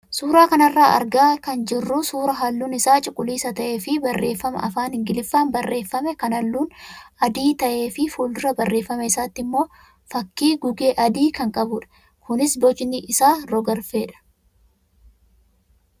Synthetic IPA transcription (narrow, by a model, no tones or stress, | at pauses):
suːɾaːkɐnɐrːaːʔɐ̰ɾɡaːkɐnd͡ʒɪrːʊsuːɾɐɦɐlːuːnɪsaːt͡ʃʼɪkʼːʊliːsɐt̪ɐʔe̞ːfɪbɐrːe̞ːfːɐmɐ̰ʔɐ̰faːnhɪŋɡɪlɪfːaːnbɐrːe̞ːfːɐmɛkɐnɐlːuːnɐd̪iːt̪ɐʔe̞ːfɪfuːld̪ʊɾɐbɐrːeːfːɐmɐɪsaːt̪ːɪmːo̞ː | fɐkːiːɡʊɡe̞ːʔɐd̪iːkɐŋkʼɐbʊᶑɐ̥ | kʊnɪsbɔt͡ʃɪnɪʔɪsaːɾɔɡɐɾfe̞ːᶑɐ̥